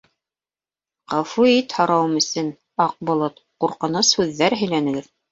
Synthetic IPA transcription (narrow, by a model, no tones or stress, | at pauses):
qɑfuit̪hɑɾɑwɤmɵ̆sɘn | ɑq̚bŏlˠot̪ | quɾqɤ̆nɤshʉðːæɾɦɘ̆jlænɘ̆ɡɘɾ